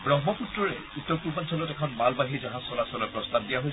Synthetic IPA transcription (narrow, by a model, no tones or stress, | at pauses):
bɹɔŋmɔputɹɔɹɛ | utːɔɹpuɹbansʰɔlɔtɛkʰɔnmalbaɦiɹzaɦãsɔlasɔlɔjpɹɔstab̚dijaɦoj